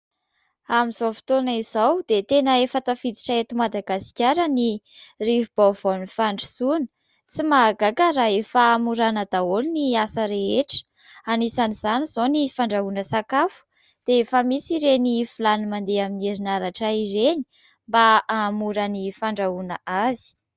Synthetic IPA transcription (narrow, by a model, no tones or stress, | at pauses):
amiz̥owfi̥t̪onaizawd̪̥et̪enəefət̪afid̪i̥ʈ͡ʂəet̪umad̪aɡasi̥kʲaɾəni | rivib̥avanifaɳɖ͡ʐisunə̥ | t͡simaɡakəɾaefaːmuɾanəd̪aoliniasəɾeeʈ͡ʂə̥ | anisanizanizonifaɳɖ͡ʐaunəsakafu̥ | d̪̥eefəmisiɾenifilanimand̪eamineɾinaɾaʈ͡ʂaiɾeni̥ | mbaamuɾanifaɳɖ͡ʐaunaʔazi̥